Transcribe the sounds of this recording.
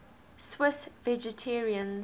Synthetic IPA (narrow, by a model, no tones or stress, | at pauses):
swɪsvɛd͡ʒɛtʰɛɹiə̃n